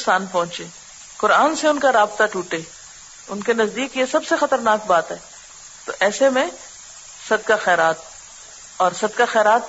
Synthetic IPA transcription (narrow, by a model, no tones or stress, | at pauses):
saːnpɔ̃ɦʊ̃t͡ʃeː | kʊɾaːnseʊnkaɾaːbt̪aʈuːʈeː | ʊnkenɐzd̪iːkjesɐbsexɐt̪əɾnaːk̚baːt̪ɦɛː | t̪o̰ʔɛːsemẽ | sɐd̪̚kaxɛːɾaːt̪̚ | ɔːɾsɐd̪kaxɛːɾaːt̪̚